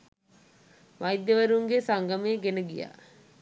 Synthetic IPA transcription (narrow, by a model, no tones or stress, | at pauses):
ʋajd̪jəʋəɾuŋɡesaŋɡameːɡenəɡija̰ː